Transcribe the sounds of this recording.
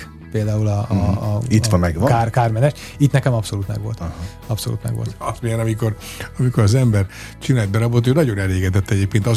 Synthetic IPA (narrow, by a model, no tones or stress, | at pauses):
peːld̪aːulɒ | it̪ʋɛɡʋkaːrkaːrmɛnɛʃ | it̪nɛkɛmɒpso̞luːt̪mɛ̰ɡʋo̞lt̪ | ɒpso̰lṵːt̪nmɛ̰ɡʋo̰lt̪ɒst̪moɲɛnɒmiko̞ɾ | ɒmikoɾɒzɛmbɛr | t͡ʃinaːld̪̚bɛɾɒbot̪ːøːnɒɟo̞nɛleːɡɛd̪ɛt̪ːɛɟeːp̚keːnt̪ɒz